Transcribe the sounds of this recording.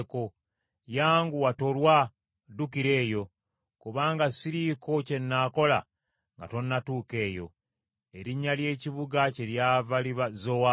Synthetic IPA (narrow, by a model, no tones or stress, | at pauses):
ko | jaːŋɡuwato̞lwa | dukiɾe̞ːjo̞ | kuβaːŋɡasiɾiko̞ce̞nːaːko̞la̰ | ŋɡa̰to̞nːatuːke̞ːjo̞̰ | e̞ɾiɲːalje̞ːciβuɡace̞ljavaliβazowa